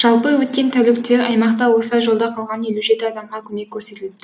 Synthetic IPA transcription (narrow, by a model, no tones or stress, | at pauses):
ʒ̥ɑlˠpəwɵt̪̚kʲe̞nt̪ʰælɪkt̪eʔɑjmɑqt̪ɑwo̞sɑjʒo̞lˠd̪ɑqʰɑlˠʁɑnje̞luʒe̞t̪ɪɑd̪ɑmʁɑkʲʰɵme̞kkʲʰːɵɾse̞t̪ɪld̪ɪ